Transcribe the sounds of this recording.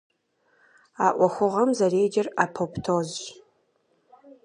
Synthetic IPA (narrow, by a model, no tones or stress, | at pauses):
aːʔʷɔxʷʊʁɐmzɐreːd͡ʒɐraːpʰoptʰoːz